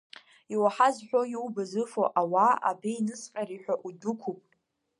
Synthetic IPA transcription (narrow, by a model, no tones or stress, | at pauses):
iwaħazħʷᶣojiwbazɨfoʔawaa̰biinɨsqʲʼaɾiħʷᶣaʔudukʷʰupʼ